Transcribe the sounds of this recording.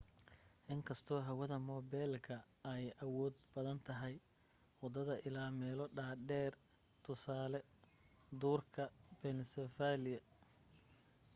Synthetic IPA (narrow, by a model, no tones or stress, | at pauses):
ʔɪŋkʰɐst̪ʰɔːɦɐwɐðɐmɔːbɛlkʰɐ | ɛjʔɐwɔːd̪̚bɐðɐnt̪ʰɐɦɛj | wɑd̪ɐðɐʔɪlaːmɛːlɔɖaːɖɛːr | t̪ʰʊsaːlɛ | d̪uːrkʰɐb̥ɛnɪsɛfaːlɪjɐ